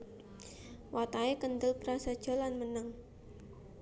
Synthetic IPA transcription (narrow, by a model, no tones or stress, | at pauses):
wat̪aekənd̪əlpɾasəd̥ʒ̥ɔ̤lanmənəŋ